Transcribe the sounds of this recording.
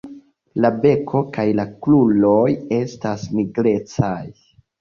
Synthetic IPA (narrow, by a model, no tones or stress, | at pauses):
labe̞kʰo̞kajlaklulo̞je̞stasmiɡɾe̞t͡saj